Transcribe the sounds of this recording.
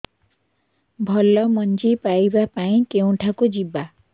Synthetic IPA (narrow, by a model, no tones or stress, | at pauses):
bʱɔlːɔmɔnd͡ʒipajbapaĩkew̃ʈʰakud͡ʒiba